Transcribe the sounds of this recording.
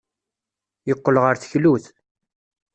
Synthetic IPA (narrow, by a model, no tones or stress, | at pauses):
jəqːəlʁəɾθəçluθ